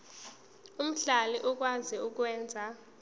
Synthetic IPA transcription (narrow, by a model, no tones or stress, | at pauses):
um̩ɬaliʔuk̬wand͡zʱiuk̬wɛːnd͡zʱa